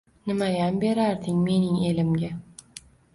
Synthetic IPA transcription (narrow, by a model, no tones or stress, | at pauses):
nɪmajambe̞ɾaɾd̪ɪŋme̞nɪŋe̞lɪmɡʲa